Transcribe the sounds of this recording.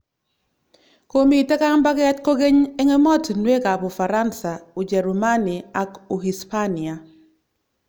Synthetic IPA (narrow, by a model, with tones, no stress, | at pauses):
ko˦mi˨tɛ˦ka˦ŋ˦ba˦kɛ˦tko˦ɡe˦ɲe˦ŋe˦mɔ˦tnwe˦ka˨po˨fa˨ɾa˦nsa˨u˨d͡ʒɛ˨ɾu˨ma˦ni˨a˦ku˨ɦi˨spa˦ni˨a˨